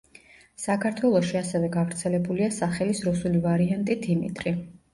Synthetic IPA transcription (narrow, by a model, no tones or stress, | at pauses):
sakʰaɾt̪ʰwɛlˠɔʃiasɛvɛɡavɾt̪sʰɛlɛbuliasaχɛlisɾusulivaɾiant̪ʼid̪imḭt̪ʼɾi